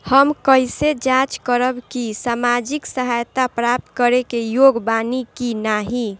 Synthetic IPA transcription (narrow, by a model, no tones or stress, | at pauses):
həmkəɪsed͡ʒat͡ʃkəɾəbkisamad͡ʒiksəɦajt̪apɾap̚t̪kəɾekejoɡbanikinaɦi